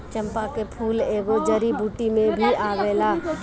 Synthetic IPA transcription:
t͡ʃə̃mpakepʰuːleːɡod͡ʒəɾibuːʈimẽbʱiʔaːʋeːla

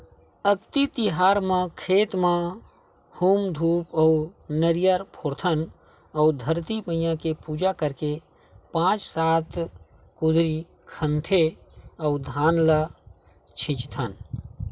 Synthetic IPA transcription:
əkt̪it̪ɪɦaːɾmãkʰeːt̪mã | huːmd̪ʱuːpɔunəɾijəɾpʰoːɾt̪ʰən | ɔːd̪ʱəɾt̪iməjãkepuːd͡ʒakəɾke | pãːt͡ʃsaːt̪ʰ | kʊd̪ʱɾi | kʰə̃nt̪ʰeɔud̪ʱaːnlə | t͡ʃʰɪ̃t͡ʃt̪ʰən

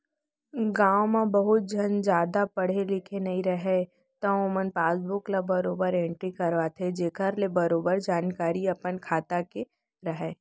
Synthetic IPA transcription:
ɡãːwmẽbɐɦʊt̪̚d͡ʒʱənd͡ʒjaːd̪apɐɽ̤elɪkʰenɐɦĩɾɐɦe | t̪ɐomənpaːsbʊklabɐɾoːbəɾẽːɳʈɾikɐɾʋat̪ʰed͡ʒeːkʰəɾlebɐɾoːbəɾd͡ʒaːnkaːɾiɐpənkʰaːt̪ake | ɾɐɦɛː

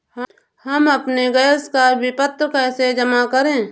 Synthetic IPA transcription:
h | həməpneɡəjəskabʱipət̪ɾəkaɪsed͡ʒəmakəɾẽː

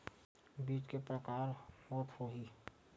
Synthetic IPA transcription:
biːt͡ʃkepɾəkaːɾmɔːt̪hoɦiː

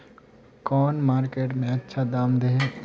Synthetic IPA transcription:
kɔːnmaːɾkeːʈmẽɐtːʃʰad̪aːmd̪eɦe

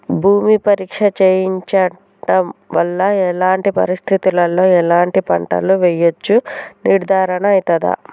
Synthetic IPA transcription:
bʱuːmipɐɾiːkʂɐt͡ʃeːjiɲt͡ʃɐ | ʈɐmʋɐlːɐɛlaːɳʈipɐ̰ɾist̪ʰit̪ulɐlo̞ːɛlaːɳʈipɐ̰ɳʈɐ̰luʋɛjot͡ʃːuniɾd̪ʱaːɾɐɳɐɐjit̪ɐd̪ɐ̰

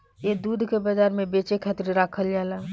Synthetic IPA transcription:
jed̪uːd̪ʱkebɐd͡ʒaːɾmẽbeːt͡ʃekʰet̪ɾiɾaːkʰəld͡ʒaːla

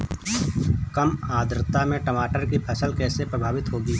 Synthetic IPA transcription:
kəmaːd̪ɾət̪amẽʈɐmaːʈəɾkipʰɐsəlkɛːsepɾəbʱaːʋɪt̪ɦoːɡiː

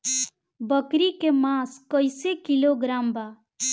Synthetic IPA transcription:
bəkɾikemãskəɪsekiloɡɾaːmba

